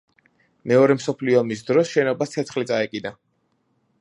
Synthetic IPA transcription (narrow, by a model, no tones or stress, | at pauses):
mɛɔɾɛmsɔpʰliɔmis̬d̪ɾɔsʃɛnɔbat̪ʰɛt̪sʰχlit̪sʼaɛkʼid̪a